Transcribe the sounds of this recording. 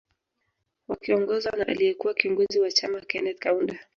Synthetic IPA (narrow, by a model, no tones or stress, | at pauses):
wakiɔŋɡɔzwanaʔa̰liɛkuwakiuŋɡuziwat͡ʃamakɛnɛt̚kaunda